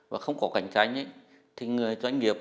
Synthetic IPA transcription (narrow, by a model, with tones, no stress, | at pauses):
vaː˨˩xə˧wŋ͡mkɔ˨˦ka̰˨˧˩jŋ̟t͡ɕa̰ː˧˦jʔə˨˧˦ | t̪ʰi˨˩ŋɨ˨˩əjzwa˧jŋ̟ŋi˨˩əp̚